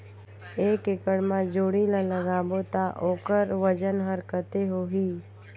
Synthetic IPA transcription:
eːkɪkəɽmãd͡ʒoːɽilãləɡaːbot̪aʔoːkəɾʋəd͡ʒənɦəɾkət̪eɦoɦiː

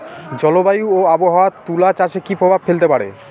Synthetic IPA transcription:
d͡ʑɔlobajuoaboɦawat̪ulat͡ɕaʃekipɾobʱabfelt̪epaɽḛ

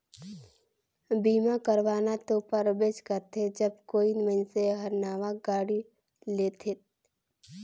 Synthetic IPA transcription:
biːmakəɾʋaːnat̪opəɾbeːd͡ʒkəɾt̪ʰed͡ʒəbkoːinmə̃nseɦəɾnaːʋaɡaːɽi | leːt̪ʰet̪

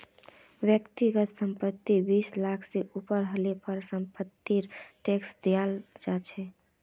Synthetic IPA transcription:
bjəkt̪iɡət̪səmpət̪ːibislakʰseʔupəɾɦəlepəɾsəmpət̪ːiɾʈeksd̪ejald͡ʒat͡ʃʰɛ

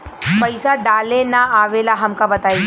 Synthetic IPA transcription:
pɐɪsaɖaːlenaaːʋeːlaɦɐmkabɐt̪aːi

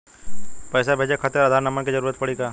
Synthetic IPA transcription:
pɛːsabʱeːd͡ʒekʰət̪əɾɐd̪ʱaɾnɐmənkid͡ʒəɾuːɾət̪̚pɐɽikaː

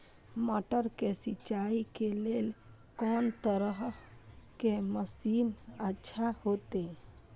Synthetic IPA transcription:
məʈəɾkesɪt͡ʃaːikeleːl | kɔːnt̪əɾəɦ | keməsiːnətːʃʰahoːt̪e

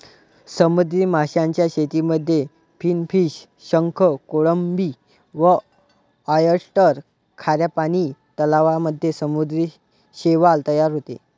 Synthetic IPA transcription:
səmud̪ɾiːmaɕjãɲt͡ɕjaɕet̪iməd̪ʱːje | pʰiːnfiːɕ | ɕəŋkʰəkoɭəmbi | ʋə | əjəɾsʈəɾ | kʰaɾjapaɽ̃iːt̪əlaʋaməd̪ʱːjesəmud̪ɾi | ɕeʋalt̪əjaɾɦot̪ḛ

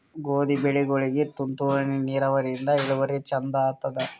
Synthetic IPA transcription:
ɡoːd̪ibeɭiɡoɭiɡet̪unt̪uʋɐniniːɾɐʋɐɾjind̪ɐiɭuʋɐɾet͡ʃɐnd̪ɐːt̪ːɐd̪ɐ

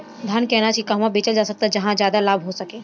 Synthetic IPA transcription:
d̪ʱankɛɦnat͡ʃʰikaɦmãbeːt͡ʃəld͡ʒaːsɐk̚t̪ad͡ʒɐɦãd͡ʒjaːd̪alaːbʱɦosɐkẽː

